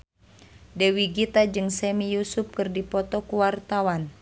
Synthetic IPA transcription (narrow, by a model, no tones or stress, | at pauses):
dɛwiɡit̪ad͡ʒɨŋsɛmijusup̚kɨrdipɔt̪ɔkuwart̪awan